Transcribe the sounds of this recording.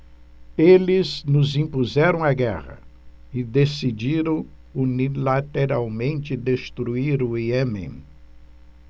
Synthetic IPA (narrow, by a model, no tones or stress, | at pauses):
elɪznʊzĩpuzɛɾɐ̃w̃aɡɛ̰ʁɐ̰ | ɪd̪esid͡ʒiɾɐ̃w̃ | unilat̪eɾawmẽnt͡ʃɪd̪est̪ɾuiɾʊiemḛ̃